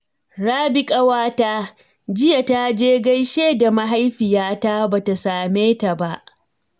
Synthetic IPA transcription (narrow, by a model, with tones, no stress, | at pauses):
ɽaː˦bɪ˦kʼa˦waː˦taː˦ | d͡ʒɪ˦ja˨ta˦d͡ʒeː˦ɡa˦jʃeː˦da˨ma˦ɦa˦jɸɪ˨jaː˦ta˦baː˨ta˨saː˨meː˦ta˨ba˦ʔ